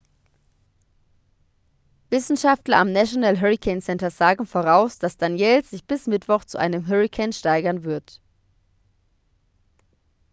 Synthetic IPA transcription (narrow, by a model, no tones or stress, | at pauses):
vɪsn̩ʃaftlɐamnaʃonalɦœʁikʰɛɪnsɛntɐzaːɡŋ̩foːʁaʊsd̥asd̥anjɛːlz̥ɪçb̥ɪsmɪtv̥ɔχt͡suʔa̰ɪnəmɦœʁikʰɛɪnʃtaɪɡɐnvɪɐt